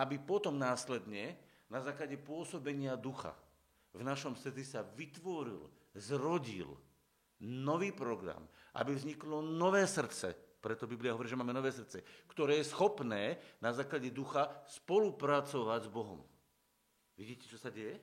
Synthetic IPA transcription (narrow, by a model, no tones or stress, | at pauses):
ʔabipɔt̪ɔmnaːslɛd̪ɲɛ | nazaːklaɟɛpʊɔsɔbɛɲɪad̪uxa̰ | vnaʃɔmsr̩t͡sisaʋit̪ʋɔɾḭl | zɾɔɟḭl | nɔʋiːpɾɔɡɾa̰mʔa̰bivzɲiklɔnɔʋɛːsr̩tt͡sɛ̰pɾɛt̪ɔbibliaɦɔʋɔɾiːʒɛmaːmɛnɔʋɛːs̬rt͡sɛkt̪ɔɾɛːjɛsxɔpnɛːnazaːklaɟɛd̪uxaspɔlupɾat͡sɔʋaɟzbɔɦɔ̰m | ʋiɟiːcɛ̥t͡ʃɔsaɟɛjɛ